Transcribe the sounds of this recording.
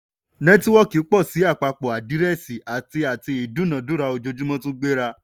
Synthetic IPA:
nɛ̃˦ti˦wɔ˦ki˨˦k͡pɔ˦˨si˨˦a˦˨k͡pa˧k͡pɔ˨a˨di˨˦ɾɛ˦˨si˨a˨ti˧a˨ti˧i˨dũ˨˦nã˨dũ˨˦ɾa˧o˧d͡ʒo˧˦d͡ʒu˦mɔ̃˦tũ˦ɡ͡be˦ɾa˧

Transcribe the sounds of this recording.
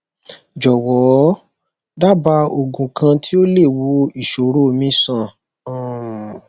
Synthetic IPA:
d͡ʒɔ˨wɔ˨˦ | da˦ba˧o˨ɡũ˨kã˧ti˦o˦le˦˨wo˧i˨ʃo˨ɾo˦˨mĩ˦sã˦˨˦

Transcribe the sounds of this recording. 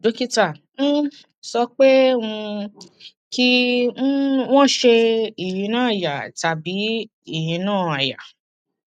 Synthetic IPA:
do˨˦ki˦tã˦˨˦ | sɔ˧k͡pe˦ũ˧ | kĩ˦ | w̃ɔ̃˦˨ʃe˧i˨jĩ˨˦nãː˦˨ja˨ta˨bi˨˦ | i˦˨j̃ĩ˨˧˦nãː˦˨a˨ja̰˨

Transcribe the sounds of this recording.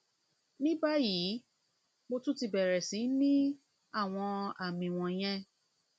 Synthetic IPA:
nĩ˦ba˦ji˨˦ | mo˧tũ˦ti˧bɛ˨ɾɛ˨sĩ˨˦nĩ˦ | a˦˨w̃ɔ̃˧a˨mĩ˨w̃ɔ̃˧j̃ɛ̃˧

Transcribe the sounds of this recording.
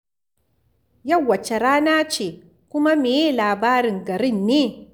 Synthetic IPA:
jɐ˦˨wːɐ˨t͡ʃe˨ɾaː˦naː˦t͡ʃeː˨ | kʷʊ˦ma˦me˨je˦˨laː˨baː˦ɾɪ˨ŋɡɐ˨ɾɪ˦˨nːeː˦

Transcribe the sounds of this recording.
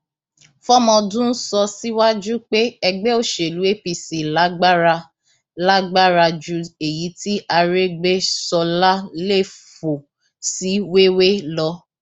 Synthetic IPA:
fɔ˦mɔ̃˧dũ˦n̩˦sɔ˧si˦wa˦d͡ʒu˦k͡pe˦ɛ˧ɡ͡bɛ˦o˦˨ʃe˨lu˨˦e˦pi˧si˨la˨˦ɡ͡ba˦ɾa˧ | la˦ɡ͡ba˦ɾa˧d͡ʒu˨˧e˨ji˨˦ti˦a˧ɾe˦ɡ͡be˦sɔ˧la˦le˦˨fo˨ | si˨˦we˦we˦lɔ˧˦

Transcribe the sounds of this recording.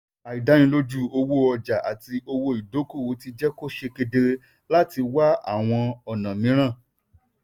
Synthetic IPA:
a˨i˨da˨˦jĩ˧˦lo˦d͡ʒu˦˨o˧wo˦ɔ˧d͡ʒa˨ʔa̰˨ti˧o˧wo˧i˨do˨˦ko˦˨o˨˦ti˧d͡ʒɛ˦ko˦ʃe˧ke˧de˧ | la˦ti˧wa˦a̰˦˨w̃ɔ̃˧ɔ˨nã˨mĩ˨˦ɾ̃ã˦˨

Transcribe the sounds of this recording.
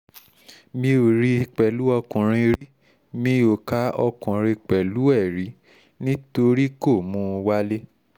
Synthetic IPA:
mĩ˧o˨ɾi˧˦i˧k͡pɛ˨lu˨˦ɔ˧kũ˨ɾ̃ĩ˧ɾi˦ | mĩ˧o˨ka˨˦ɔ˧kũ˨ɾ̃ĩ˧k͡pɛ˨lu˨˦ɛ˦˨ɾi˨˦ | nĩ˦to˧ɾi˦ko˦˨mũ˧˦˧wa˦le˦

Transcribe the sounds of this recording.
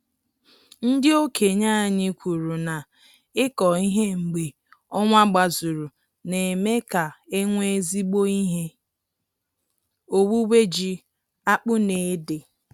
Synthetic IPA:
n̩˦dɪ˦o˦kʰe˨ɲa˦a˨ɲɪ˦kʷu˨ɾu˨na˨ | ɪ˦kɔ˨i˦ɦe˦ŋ͡m̩˨ɡ͡be˨ | ɔ˦ŋʷa˦ɡ͡ba˨zu˨ɾu˨ | ne˨me˦ka˨e˦ŋʷe˦zi˦ɡ͡bo˦i˦ɦe˦ | o˦wu˦we˦d͡ʒi˦ | a˦k͡pʊ˦ne˨e˦de˨

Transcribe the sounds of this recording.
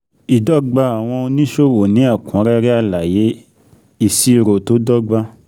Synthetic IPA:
i˨dɔ˦ɡ͡ba˧a˨w̃ɔ̃˧o˧nĩ˦ʃo˦˨wo˨nĩ˨˦a˦˨kũ˨˦ɾɛ˦ɾɛ˦a˧la˨je˨˦ | i˦˨si˨˧ɾo˨to˨˦dɔ˦ɡ͡ba˧

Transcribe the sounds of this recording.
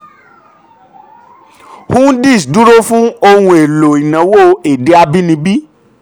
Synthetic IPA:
hũ˦di˦˨sdu˦ɾo˦fũ˦o˧hũ˧e˨lo˨i˨nã˨wo˦e˨de˨˦a˧bi˦nĩ˧bi˦

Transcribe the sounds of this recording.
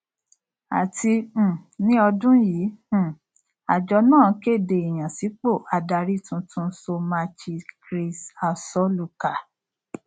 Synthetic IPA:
a̰˨ti˧˨nĩ˦ɔ˧dũ˦jĩ˨˦˨ | a̰˨d͡ʒɔ˧˦nãː˦˨˦ke˦˨de˨i˨j̃ã˨si˨˦k͡po˦˨ʔa˨da˧ɾi˦˨tũ˧tʰũ˧˦so˧ma˧t͡ʃi˧kɾi˧sa˧sɔ˦lu˧ka˨

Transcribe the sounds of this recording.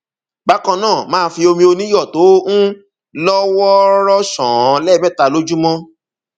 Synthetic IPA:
ɡ͡ba˨˦kɔ̃˧nãː˦˨mãː˦˧˦fi˧o˧mĩ˧o˧nĩ˦jɔ˦˨to˨˦ñ̩˦ | lɔ˦wɔ˦ɾɔ˦ʃɔ̃˨ɔ̃˨˦lɛ˦˨mɛ˦˨ta˨˧lo˦d͡ʒu˦mɔ̃˦

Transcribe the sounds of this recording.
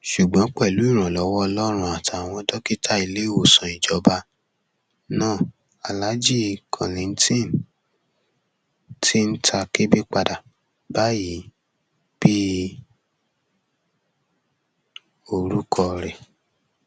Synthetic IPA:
ʃu˨ɡ͡bɔ̃˨˦k͡pɛ˦˨lu˨˦i˦˨ɾ̃ã˨lɔ˨˦wɔ˦ɔ˧lɔ˦ɾ̃ũ˦a˨tʰa˨w̃ɔ̃˧dɔ˦ki˦ta˦˨i˧le˦o˨sɔ̃˨i˨d͡ʒɔ˨˦ba˧˦ | nãː˦˨ | a˨la˨˦d͡ʒi˦˧kʰɔ̰̃˨lĩ˨n̩˦tĩ˦˨n | tʰi˦n̩˦tʰa˧ke˦bi˦k͡pa˧da˨ | ba˨˦ji˨˦ | b̥i˦ | o˧˨ɾu˦kʰɔ˧ɾɛ˨

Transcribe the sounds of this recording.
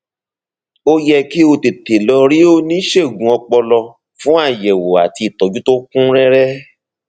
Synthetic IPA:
o˦jɛ˧ki˦o˧te˨te˨lɔ˧ɾi˦o˦nĩ˦ʃe˦˨ɡũ˨˦ɔ˧k͡pɔ˧lɔ˧ | fũ˦a˦˨jɛ˨wo˨a˨ti˧i˨tɔ˨˦d͡ʒu˦to˦kũ˦ɾɛ˦ɾɛ˦

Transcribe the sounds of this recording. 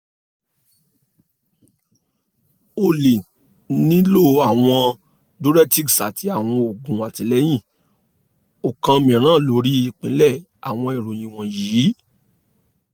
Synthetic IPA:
o˧˨le˨ | nĩ˦lo˦˨a˦˨w̃ɔ̃˧ | do˦ɾɛ˦ti˦ksa̰˨tʰi˨˦a˦˨w̃ɔ̃˧o˨ɡũ˨a˨tĩ˨˦lɛ˦j̃ĩ˦˨ | o˨kã˧mĩ˨ɾ̃ãː˦˨lo˨˦ɾi˦i˦˧˨k͡pĩ˨˦lɛ˦˨ | a̰˨w̃ɔ̃˧i˨ɾo˨j̃ĩ˧w̃ɔ̃˨jiː˨˦

